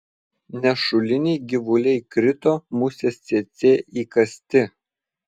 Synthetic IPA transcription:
nʲɛʃʊlʲɪnʲɛɪɡʲɪʋʊlʲɛɪkɾʲɪt̪oːmusʲeːssʲet̪sʲeːʔiːkɐsʲt̪ʲɪ

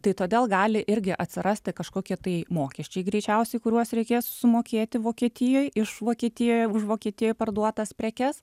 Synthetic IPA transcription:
t̪ɐɪt̪oːd̪ʲeːlˠɡɑːlʲɪʔɪɾʲɡʲɪʔɐt̪ʲsʲɪɾʔɐsʲt̪ʲɪkɐʃkoːkʲɪt̪ɐɪmoːkʲɛʃʲt͡ʃʲɛɪɡɾʲɛɪt͡ʃʲɛʊsʲɛɪkʊɾʲuɔsɾʲɛɪkʲeːssʲɪmoːkʲeːt̪ʲɪʋoːkʲiɛt̪ʲɪjoːjɪʃʋoːkʲiɛt̪ʲɪjoːjʊʃʋoːkʲiɛt̪ʲɪjoːjpɐrd̪uɔt̪ɐspʲɾʲɛkʲɛs

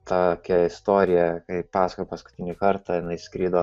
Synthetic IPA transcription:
t̪ɑːokʲɛɪst̪oːɾʲɪjɛkɐɪpɑːsɐkopɐskʊ̥t̪ʲɪnʲɪkɐɾt̪ɑjɪnɐɪskɾʲiːd̪oː

